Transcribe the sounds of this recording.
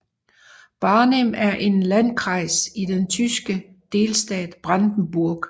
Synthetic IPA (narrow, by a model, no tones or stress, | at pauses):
b̥ɑ̈ːnem̰æɐʔe̝nlænkʰʁɑ̈ɪ̰sid̥ent͡sʰysɡ̥ə | d̥e̝ːlsd̥ɛ̰ːd̥b̥ʁɑnd̥n̩b̥uɐɡ̥